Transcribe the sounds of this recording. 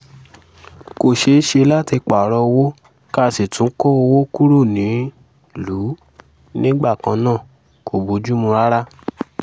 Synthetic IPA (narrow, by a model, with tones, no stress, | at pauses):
ko˨ʃe˧˦ʃe˧la˦ti˧k͡pa˨ɾɔ˧wo˦ | ka˦˨si˨tũ˨˦kɔ˦o˧wo˦ku˦ɾo˦˨nĩ˨˦ | luː˨˦ | nĩ˦ɡ͡ba˦˨kã˧nãː˦˨ | ko˨bu˨˦d͡ʒu˦mũ˧ɾa˦ɾa˦